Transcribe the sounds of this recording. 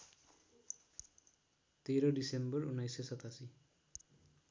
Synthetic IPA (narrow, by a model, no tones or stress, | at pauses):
t̪eɾɔdisembɔɹunajsesʌt̪ʰasi